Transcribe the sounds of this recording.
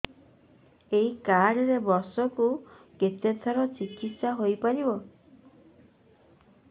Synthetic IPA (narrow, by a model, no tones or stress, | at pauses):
eɦikaɽɔɾebɔsɔku | ket̪et̪ʰaɾɔt͡ʃikit̪saɦojpaɾibɔ